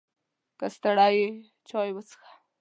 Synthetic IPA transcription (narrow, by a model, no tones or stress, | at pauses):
kast̪aɽaje | t͡ʃɑjwət͡sə̥xḁ